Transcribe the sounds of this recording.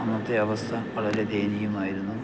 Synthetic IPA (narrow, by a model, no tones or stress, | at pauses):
ɐnːɐt̪ːeɐʋɐst̪ʰɐʋɐɭɐled̪eːnijumaːjiɾunːu